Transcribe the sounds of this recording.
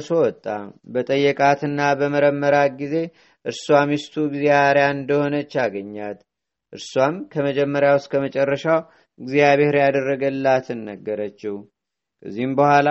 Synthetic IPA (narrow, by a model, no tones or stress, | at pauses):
sowɔt̪ʼːabət̪ʼəjːɛkʼat̪ɨnːabəməɾəmːəɾaɡize̞ | ʔɨɾswamist̪ʰuɡzeaaɾjaɨnd̪əho̞nət͡ʃːaɡəɲːat̪ | ʔɨɾswamkʰəməd͡ʒɛmːəɾjawʊst̪̚ʼkʰəmət͡ʃʼɛrːəʃaw | ɨɡzijaβe̞hɾjad̪ərːəɡəlːat̪ʰɨnːəɡːəɾət͡ʃːɪhu | kʰə̰zːihmbəhʷwʷala